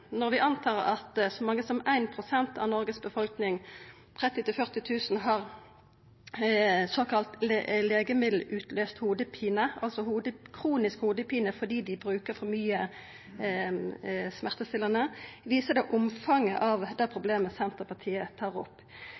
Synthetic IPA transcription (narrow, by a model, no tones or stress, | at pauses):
nɔʁʋɪʔɑnt̪ʰɑːʁɑt̪sɔmɑŋːəsɔmæɪnpʰʁʊsɛnt̪ɑ̰ʋnɔʁɡəsbəfɔlknɪŋ | t̪ʰʁɛt̪ːɪt̪ɪlfœʁt̪ɪt̪ʰʉːsn̩ɦɑːʁ | soːkʰɑlt̪lleːɡəmɪd̪l̩ʉːt̪løːst̪huːd̪əpʰiːnəɑlsɔhuːd̪əkʰʁuːnɪskhuːd̪əpiːnəfɔʁd̪iːd̪ɪbɾʉːkəʁfɔmyːə | smæʁt̪əst̪ɪlːənəʋiːsəd̪ɛʔʊmfɑŋːə̰ʔɑʋd̪æpʰʁʊbleːməsɛnt̪əʁpɑʁt̪ʰiːət̪ʰɑːʁɔpː